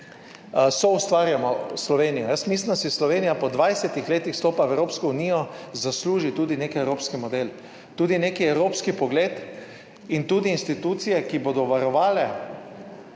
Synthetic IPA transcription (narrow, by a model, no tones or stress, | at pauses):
sɔust̪ʋaːɾjamɔslɔʋeːnijɔjəsmislind̪asislɔʋeːnijapɔd̪ʋajsɛt̪ixleːt̪ixst̪oːpaɛwɾoːpskɔuniːjɔzasluːʒit̪uːd̪ineːkɛwɾoːpskimɔd̪el | t̪uːd̪inekiɛwɾoːpskipɔɡleːt̪ | int̪uːd̪iːnst̪it̪uːt̪sijɛkibod̪ɔʋaɾɔʋaːlɛ